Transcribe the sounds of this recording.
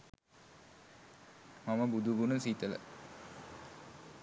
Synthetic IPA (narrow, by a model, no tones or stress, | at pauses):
maməbud̪uɡunəsit̪ələ̰